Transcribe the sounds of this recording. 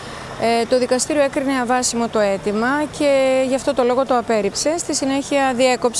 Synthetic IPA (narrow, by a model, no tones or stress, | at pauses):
t̪o̞ðikɐst̪iɾio̞e̞kɾine̞ɐvɐsimo̞t̪o̞e̞t̪imɐce̞ʝɐft̪o̞t̪o̞lo̞ɣo̞t̪o̞ɐpe̞ɾipse̞st̪isine̞çiɐðie̞ko̞p